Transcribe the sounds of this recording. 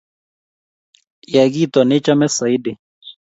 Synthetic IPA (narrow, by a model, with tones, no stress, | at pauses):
ja˨ɡi˦t̪ɔ˨nɛ˦t͡ʃa˦mɛ˦sa˨i˦dɪ˨